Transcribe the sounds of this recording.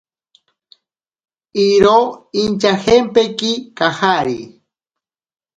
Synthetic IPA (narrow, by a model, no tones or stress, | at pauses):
iɾoint͡ʃahempekikahaɾi